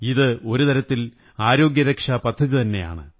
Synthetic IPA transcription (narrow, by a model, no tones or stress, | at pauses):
iðɨo̞ɾut̪ɐɾɐt̪ːil | aːɾo̞ːɡjɐɾɐkʂapɐd̪ʱːɐðit̪ɐnːe̞̰ja̰ːɳɨ̰